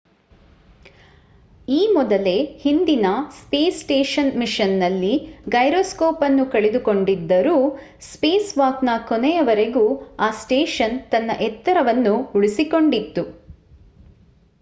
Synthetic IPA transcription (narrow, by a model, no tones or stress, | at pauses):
iːmɔd̪ɐle̞hind̪inɐspeːsʈeːʂɐnmiʂɐnːɐlːiɡɐjɾoːskoːpɐnːukɐɭed̪uko̞ɳɖid̪ːɐɾuː | speːsʋaːknakɔnɛjɐʋɐɾe̞ɡuːaːsʈeːʂɐnt̪ɐnːɐʔɛt̪ːɐɾɐʋɐnːuuɭisiko̞ɳɖit̪ːu